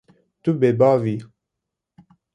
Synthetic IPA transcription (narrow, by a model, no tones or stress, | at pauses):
t̪ubebavi